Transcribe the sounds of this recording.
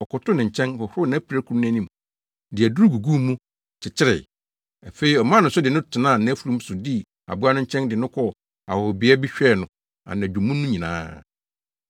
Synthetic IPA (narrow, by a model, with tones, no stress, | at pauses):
ɔ˨kʊ˨tʊ˦nɪ̃˨ɲ̩˨t͡ɕʰɛ̃˦nhɔ˨hʊ˦nã˨˦pʰi˨ɾæ˦kʰu˨˦ñ˦æ̃˦nĩ˦m | dɪ˨æ˨du˦ɾɡu˨ɡu˦mũ˦ | t͡ɕʰɪ˨t͡ɕʰɪ˦ɾɪ̰˨ | a˨fe˨˦i˨ɔ˨mã˦n˨ʊ̃˨˦sʊ˦dɪ˨nʊ̃˦tʰɪ˨nã˦˨nã˨˦fu˨ɾũ˦m˦sʊ˨di˦ | a̰˨bu˦a˦nʊ̃˦ɲ̩˦t͡ɕʰɛ̃˦ndɪ˨nʊ̃˦kʰɔ˦ | a̰˨hɔ˨bɪ˨˦ɛ˦bɪ˦ɕᶣɛ˦˨nʊ̃˨ | a̰˨nã˨u˨mũ˦nʊ̃˦ɲĩ˨nã̰ː˦